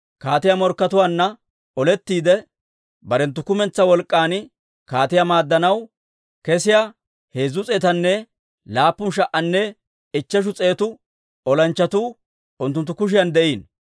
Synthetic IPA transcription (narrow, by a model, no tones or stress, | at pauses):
kaːt̪ɪjamɔɾkːɐt̪ʊwaːnːɐ | ɔlɛt̪ːiːd̪ɛ | bɐɾɛnt̪ːʊkʊmɛnt͡sːɐwɔlkʼːaːn | kaːt̪ɪjamaːd̪ːɐnɐw | kɛsɪja | heːzʊt͡sʼeːt̪ɐnːɛ | laːpːʊnʃ̬ɐʔɐnːɛ | ɪt͡ʃːɛʃ̬ʊt͡sʼe̞ːt̪ʊ | ɔlɐnt͡ʃːɐt̪uː | ʊnt̪ːʊnt̪ːʊkʊʃ̬ɪjɐnd̪ɛʔiːn